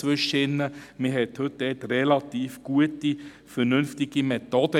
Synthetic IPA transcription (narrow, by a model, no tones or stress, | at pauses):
ʋʏʃːəɪnːəmɪɦɛthɵt̚d̥ɛtrɛlɑtiːfɡ̥uəti | fəɾnɵnftɪɡimɛt̪ɔd̥ə